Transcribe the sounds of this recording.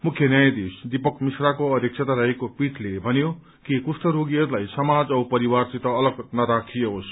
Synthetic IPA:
mukʰjʌnjajad̪isd̪ipʌkmisrakoʌt̪jek̚sʰet̪aɾajekopiʈʰlebʱʌnjo | kikusʈʌɾoɡiʌɾulajsʌmad͡zʌwpʌɾiwart͡sit̪ʌːlʌɡnʌɾakʰieɦos

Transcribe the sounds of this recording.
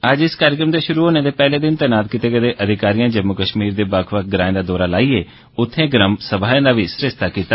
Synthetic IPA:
əd͡ʒɪskaːɾɪkɾəmd̪eːʃʊɾuːɦoːneːd̪eːpɛːleːd̪ɪnt̪ɛːnaːd̪̚kit̪eːkəd̪eːʔəd̪ʱɪkaːɾijãːd͡ʒəmʊkəʃmiːɾd̪eːbəkʰʋəkɡɾãːẽːd̪aːd̪ɔːɾaːlaːiːeː | ʊt̪ʰːẽːɡɾəmsəbaːjãːd̪aːʋiːsɾɪʃt̪aːkiːt̪aː

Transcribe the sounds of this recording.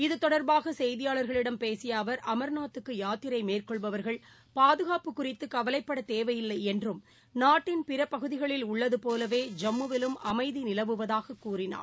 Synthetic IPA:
ɪðɯt̪ːɔɽɐɾbaːɣɐsɛjðɪjaːɭɐɾɣɐɭɪɽɐmpeːsɪjaːʋɐɾʔɐmɐɾnaːt̪ːɯkːɯjaːt̪ːɪɾɐɪmeːrkɔɭʋɐʋɐɾɣɐɭ | paːðɯɣaːpɯkːʊrɪt̪ːɯkɐʋɐlɐɪpːɐɽɐt̪eːʋɐjɪlːɐɪɛndrɯm | naːʈːɪnpɪɾɐpːɐɣɯðɪɣɐɭɪlʊɭːɐðɯpoːlɐʋeːd͡ʒɐmːɯʋɪlɯmʔɐmɐɪðinɪlɐʋɯʋɐðaːɣɐkːuːrɪna̰ː

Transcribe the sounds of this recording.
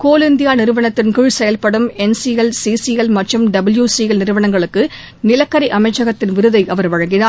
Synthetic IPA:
koːlɪnd̪ɪjaːnɪɾɯʋɐɳɐt̪ːɪnkʊɻsɛjɐlpɐɽɯmɛnsiɛlsiːsiɛlmɐʈrɯmɖɐbɯljuːsiɛlnɪɾɯʋɐɳɐŋɡɐɭɯkːɯ | nɪlɐkːɐɾiʔɐmɐɪt͡ʃːɐɣɐt̪ːɪnʋɪɾɯðɐɪʔɐʋɐɾʋɐɻɐŋɡɪnaː

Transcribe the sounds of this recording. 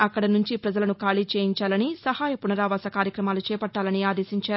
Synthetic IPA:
ɐkːɐɽɐnuɲt͡ʃipɾɐd͡ʒɐlɐnukaːɭiːt͡ʃeːjiɲt͡ʃaːlɐnisɐhaːjɐpunɐɾaːʋaːsɐkaːɾjɐkɾɐmaːlut͡ʃɛːpɐʈːaːlɐniaːd̪eːsiɲt͡ʃaːɾu

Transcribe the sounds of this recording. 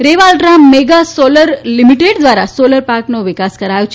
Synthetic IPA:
ɾeʋalʈɾammːeɡasoləɾlimiʈeɖd̪ʋaɾa̰soləɾpaɾknoʋikaskəɾajt͡ɕ

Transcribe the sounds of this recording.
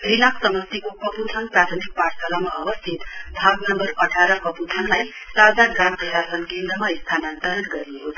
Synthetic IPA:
rinaksʌmʌst̪ikokʌput̪ʰʌnprat̪ʰʌmik̚parsʌlamaʔʌbʌst̪ʰit̪bʱaɡnʌmbʌrʌʈʰaɾʌkʌput̪ʰʌnlaj | t̪ad͡zaɡamprʌsasʌnkend̪rʌmaist̪ʰanant̪ʌɦʌrɡʌɾiuɦot̪

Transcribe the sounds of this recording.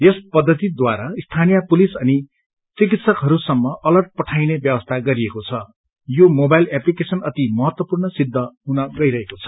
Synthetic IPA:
jespʌd̪ʱːʌt̪id̪waɾaist̪ʰanijapulisʌni | t͡sikit̪sʌkɦʌɾusʌmːʌʔʌlʌrʈ̚pʌʈʰajnebjʌbʌst̪ʰaɡʌɾiekot͡sʰʌ | jomobajlaplikesʌnʌt̪imʌɦʌt̪wʌpurnɳʌsid̪ʱːʌɦunʌɡʌiɾʌɦekot͡sʰʌ̥

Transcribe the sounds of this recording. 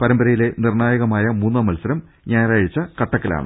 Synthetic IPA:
pɐɾɐmbɐɾɐjile̞nirɳaːjɐɣɐmaːjɐmuːnːɐːmɐlsɐɾɐm | ɲaːjɾaːɻit͡ɕːɐkɐʈːɐkːɐla̰ːɳɨ̰

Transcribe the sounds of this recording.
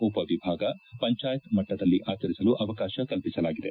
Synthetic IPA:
upɐʋibʱaːɡɐpɐɲt͡ʃaːjɐt̪mɐʈːɐd̪ɐlːiʔaːt͡ʃɐɾisɐluʔɐʋɐkaːʃɐkɐlpisɐlaːɡid̪e̞

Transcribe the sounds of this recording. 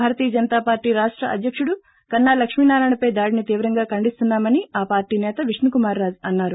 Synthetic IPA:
bʱaːɾɐt̪iːjɐd͡ʒɐnɐt̪aːpaːɾʈiːɾaːʂʈɾɐʔɐ̰d̪ʱjɐkʂuɽu | kɐnːaːlɐkʂmiːnaːɾaːjɳɐpɐjd̪aːɽinit̪iːʋɐɾɐŋɡaːkɐɳɖist̪unːaːmɐniaːpaːɾʈiːnɛːt̪ɐʋiʂnukumaːɾːaːd͡ʒɐnːaːɾu

